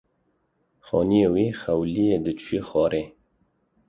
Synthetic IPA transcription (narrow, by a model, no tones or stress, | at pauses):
xɑːnijewixawlijed̪ət͡ʃʰwexɑːɾʔe